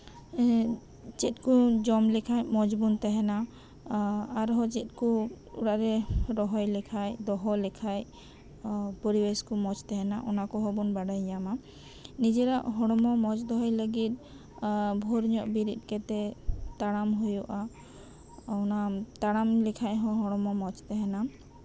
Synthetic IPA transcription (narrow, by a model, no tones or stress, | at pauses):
t͡ʃɛt̪̚kud͡ʒɔmlɛkʰajmɔd͡ʒbunt̪ɛɦɛna | aɾɦɔt͡ʃɛt̪̚ˀku | ṵɽaʔɾɛɾɔɦɔjlɛkʰajd̪ɔɦɔlɛkʰaj | pɔɾibeskumɔd͡ʒt̪ɛɦɛnaʔɔnakɔɦɔbunbaɖajɲama | nid͡ʒɛɾaʔɦɔɽ̃ɔmɔmɔd͡ʒd̪ɔɦɔjləɡit̪̚ | bʱɔɾɲɔʔbiɾit̪̚ˀkɛt̪ɛt̪aɽ̃amɦujuʔa | ɔnat̪aɽamlɛkʰajɦɔ̃ɦɔɽ̃ɔmɔmɔt͡ʃt̪ɛɦɛna